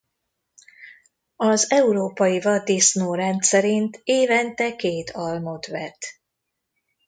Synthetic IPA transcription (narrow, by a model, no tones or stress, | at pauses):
ɒzɛuɾoːpɒjivɒd̪isnoːɾɛnt̪sɛɾint̪eːvɛnt̪ɛkeːt̪ʰɒlmo̞t̪ʋɛt̪